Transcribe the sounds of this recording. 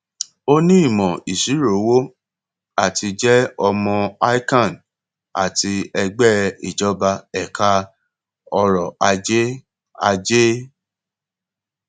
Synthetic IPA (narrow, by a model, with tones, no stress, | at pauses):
o˧nĩ˦i˦˨mɔ̃˨i˨ʃi˨˦ɾo˨˦wo˦ | a˦˨tʰi˧d͡ʒɛ˦ɔ˧mɔ̃˧a˦i˦kã˦˨n | a̰˨ti˧ɛ˧ɡ͡bɛ˦˨i˨d͡ʒɔ˨˦ba˧ɛ˨kʰa˧ | ɔ˧ɾɔ˨a˧d͡ʒe˦ | a˧d͡ʒe˦